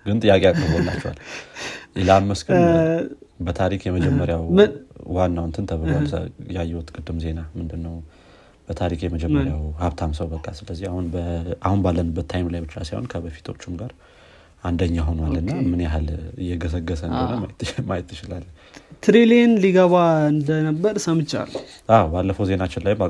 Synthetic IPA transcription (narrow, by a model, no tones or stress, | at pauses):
ɡɨnt̪ʼɨjːakʼeakʼəbɔlːa̰t͡ʃːɛwa̰l | ʔɪlamːəskɨ | bət̪ʰaɾikjɛməd͡ʒɛmːəɾjawwanːawɨnt̪ʰɨnt̪ʰəβəlosjajːɛwɔt̪kʼɨd̪ːɨmze̞namɨnd̪ɨnːəw | b̥ət̪ʰaɾikjɛməd͡ʒɛmmːɾjawhaβt̪ʰamsəwbəkʼːasɨləzːihahunbahunbalːənɨbːət̪ʰːajmlajbɨt͡ʃːa̰sajho̰nkʰəbəfi̥t̪ʰo̞t͡ʃːumɡaɾ | and̪əɲːaɦunmalːɨnːamɨneaɦalɨjːɛɡəs̬əɡːəsənd̪ɨnəwmamajɪt̪ːɨt͡ʃɪlalː | t̪ʰɾelenliɡəβaɨnd̪ənəbːəɾsəmɨt͡ʃːa̰lʔawbalːəfəwze̞nat͡ʃːɪnlajmba